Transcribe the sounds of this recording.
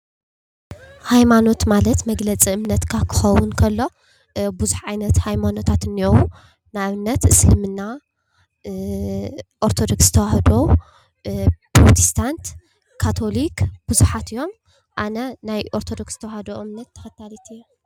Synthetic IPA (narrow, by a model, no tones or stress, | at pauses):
hajmano̞t̪malɐt̪mɐɡlɐt͡sʼiɨmnɐt̪kʰakʰɨ̥xɐwʊnkʰɐlːo̞ | buzuħʕajnɐt̪hajmano̞t̪ʰat̪ɨniowu | naβɨnːɐt̪ɨsɨlmɨnːa | ʔoɾt̪ʰo̞d̪o̞kszɨ̥t̪ʰɐwahd̪o | pɾot̪ʰi̥st̪ʰant̪ | kʰːat̪ʰo̞likb̥uzuħat̪ɨjo̞m | ʔanɐnajʔo̞ɾt̪ʰo̞d̪oksz̥ɨt̪ʰɐwahd̪oʔɨmnɐt̪ʰːɐ̥xɐt̪ʰːalit̪ɨjːu